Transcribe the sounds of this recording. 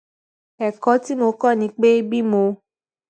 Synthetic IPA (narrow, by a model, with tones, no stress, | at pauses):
ɛ˨kɔ˨˦ti˦mo˧˦kɔ˦˨nĩ˨˧˦k͡pe˦bi˦mo˧